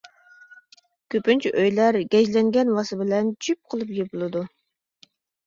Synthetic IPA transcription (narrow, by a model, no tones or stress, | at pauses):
kʲʰøpynt͡ʃʰʔøjlæɾɡʲɛd͡ʒlɛŋɡʲɛnwɑsɨbɪlɛnt͡ʃʰyp̚qʰəlˠɨpjebulˠɨd̪u